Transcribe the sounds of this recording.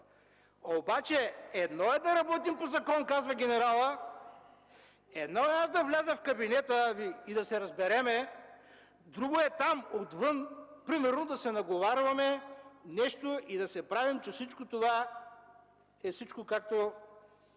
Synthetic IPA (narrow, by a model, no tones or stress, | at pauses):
obat͡ʃɛɛd̪nɔɛd̪ɐɾɐbɔt̪impozɐkɔnkazvɐɡʲɛnɛɾalˠə | ɛd̪nɔɛasd̪ɐvlʲazəfkɐbinɛt̪əviid̪ɐsɛɾɐzbɛɾɛmɛ | d̪ɾuɡoɛt̪amot̪vɤnpɾimɛɾnod̪ɐsɛnɐɡovaɾvɐmɛnɛʃt̪oid̪ɐsɛpɾavimt͡ʃɛfsit͡ʃkot̪ova | ɛfsit͡ʃkokak̚t̪o